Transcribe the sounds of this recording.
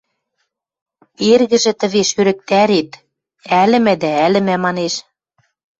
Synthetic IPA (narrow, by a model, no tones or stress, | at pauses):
erɣɘ̆ʒɘ̆t̪ə̆βeʃøɾɘ̆k̚t̪æɾet̪ | ælɘ̆mæ̆d̪æælɘ̆mæmɑneʃ